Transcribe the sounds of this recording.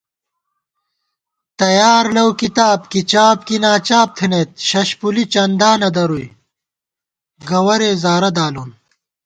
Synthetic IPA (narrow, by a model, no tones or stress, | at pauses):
t̪ɐjaːɾlɐwkit̪aːbkit͡ɕaːbkinaːt͡ɕaːp̚t̪ʰinet̪̚ɕɐɕpulit͡ɕɐnd̪aːnɐd̪ɐɾuj | ɡɐwɐɾeːzaːɾɐd̪aːlun